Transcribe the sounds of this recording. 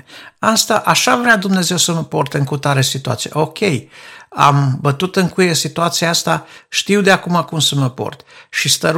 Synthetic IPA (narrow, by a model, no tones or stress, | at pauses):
ast̪aʔaʃavɾead̪umne̞ze̞wsəməport̪ɨŋkut̪aɾesit̪ua̰t̪siḛʔokʲʰe̞ja̰mbət̪ut̪ɨŋkujesit̪uat̪sijaast̪aʃt̪iwd̪eakumakumsəməpo̰rt̪ʃist̪əɾ